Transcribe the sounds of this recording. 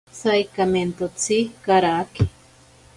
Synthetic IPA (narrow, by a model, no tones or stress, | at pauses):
sajkament̪ot͡sʰikaɾaki